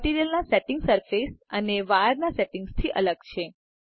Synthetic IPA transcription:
ʈiɾijəlnaseʈɪŋɡsəɾfesəneʋaɾnaseʈɪ̃ŋɡst̪ʰiʔələɡt͡ʃʰe

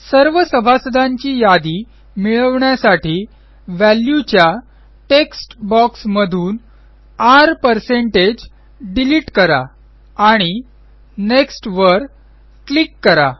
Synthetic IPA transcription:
səɾʋəsəbʱasəd̪ʱãɲt͡ɕiːjad̪iː | miɭəʋɳjasaʈʰiː | ʋæljut͡ɕja | ʈeksʈbɔksməd̪ʱuːn | aɾpəɾseɳʈed͡ʑ | ɖiliʈkəɾa̰ | aɽ̃i | neksʈʋəɾ | klikːəɾa̰

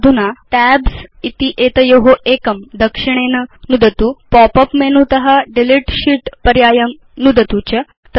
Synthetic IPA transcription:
d̪ʱunat̪æbsit̪iʔet̪əjoɦoʔekəmd̪əkʂiɽ̃enənud̪ət̪upɔpəpmenut̪ɐɦaɖiliʈɕiʈpəɾjaːjəm | nud̪ət̪ut͡ɕə | t̪

